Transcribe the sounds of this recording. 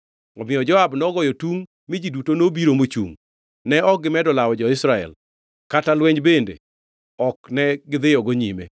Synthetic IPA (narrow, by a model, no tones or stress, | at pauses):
ɔmɪɔd͡ʒɔabnɔɡɔjɔtuŋ | mɪd͡ʒidutonobiɾomot͡ʃṵŋ | nɛɔk̚ɡɪmɛdɔlawɔd͡ʒɔɪsɾaɛ̰l | katalwɛɲbendḛ | ɔknɛɡɪd̪ɪjɔɡoɲimḛ